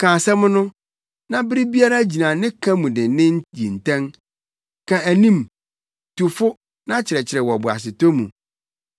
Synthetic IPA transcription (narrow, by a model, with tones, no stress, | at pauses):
kʰãː˨sɛ˦mʊ̃˦nʊ̃˦ | nã˦bɪ˦ɾi˦bi˦a˦ɾa˦d͡ʑi˨nã˨nɪ̃˦kʰã˦mũ˨dɪ̃˨nɪ̃˦n˦jḭ˨n̩˨tʰɛ̃˦ŋ | kʰã˨æ˨nĩ˦m | tu˨fʊ˦ | nã˦t͡ɕʰɪ˨ɾɛ˨t͡ɕʰɪ˨ɾɛ˨wɔ˨bʊ˨a̰˨s̬ɪ˨tɔ˦mṵ̃˨